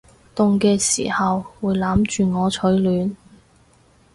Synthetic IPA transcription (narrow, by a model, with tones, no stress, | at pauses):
t̪ʊ˨ŋkɛː˧sḭː˨˩hɐ˨wːuː˨˧jlaː˨˥mt͡ʃyː˨ŋɔː˨˧t͡ʃʰɵ˨˥ɥlyː˨˧n